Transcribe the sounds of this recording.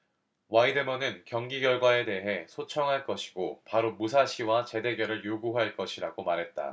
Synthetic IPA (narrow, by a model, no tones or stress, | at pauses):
waidɯmʌnɯnkjʌŋɡiɡjʌɭɡwae̞de̞ɦe̞sʰot͡ɕʰʌŋɦaɭk͈ʌɕʰi̥ɡopaɾomusʰaɕʰiwat͡ɕe̞de̞ɡjʌɾɯɭjoɡuɦaɭk͈ʌɕʰiɾaɡomaɾɦe̞t̚t͈a̰